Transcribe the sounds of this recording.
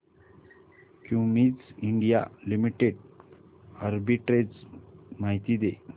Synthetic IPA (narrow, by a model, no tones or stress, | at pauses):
kĩw̃miːd͡ziɳɖija̰limiʈeɽ | əɾbiʈɾed͡zmaɦit̪iːd̪e